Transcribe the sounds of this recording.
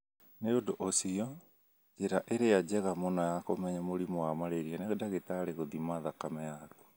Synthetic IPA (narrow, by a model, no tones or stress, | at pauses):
neondoʔosiɔ | d͡ʒeɾaʔeɾead͡ʑɛɣamɔnɔjakomɛɲamoɾimɔwamaɾeɾianeɣedaɣetaɾeɣoðimaðakamɛjaɾu̥